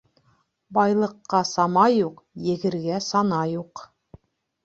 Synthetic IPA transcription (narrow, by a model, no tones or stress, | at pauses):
bɑjlˠɤ̆qːɑsɑmɑjuqjɘ̆ɡɘ̆ɾɡæsɑnɑjuq